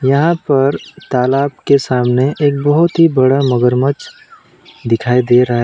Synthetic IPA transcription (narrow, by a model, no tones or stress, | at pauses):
jɐɦãpɐɾt̪aːlaːb̚kesaːmneʔeːk̚bɐɦʊt̪ɦibɐɽamɐɡəɾmət͡ʃ | d̪ɪkʰaːid̪eːɾɐɦa